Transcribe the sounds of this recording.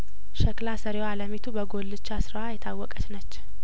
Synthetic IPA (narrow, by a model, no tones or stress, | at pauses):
ʃəklasəɾewaləmet̪ʰubəɡolːɨt͡ʃːasɨɾwajɛt̪ʰawːɔkʼət͡ʃnət͡ʃː